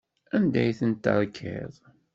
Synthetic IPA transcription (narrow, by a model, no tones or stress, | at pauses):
ænd̪æjθənt̪ːə̰ɾˤkʰɪ̰ðˤ